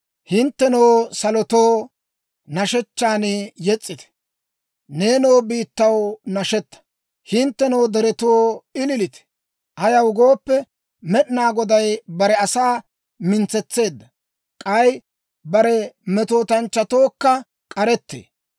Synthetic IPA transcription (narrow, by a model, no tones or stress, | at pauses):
hɪnt̪ːɛnowsɐlɔt̪o̞ː | nɐʃɛt͡ʃːaːnɪjɛt͡sʼːɪt̪ɛ̥ | ne̞ːnowbiːt̪ːɐwnɐʃɛt̪ːɐ̥ | hɪnt̪ːɛnɐwd̪ɛɾɛt̪oːɪlɪlɪt̪ɛ̥ | ʔɐjɐwʊɡoːpːɛ | mɛɗnaːɡɔd̪ɐjbɐɾɛɐsaː | mɪnt͡sɛt͡sːe̞ːd̪ːɐ | kʼɐj | bɐɾɛmɛt̪o̞ːt̪ɐnt͡ʃːɐt̪o̞ːkːɐ | kʼɐɾɛt̪ːḛː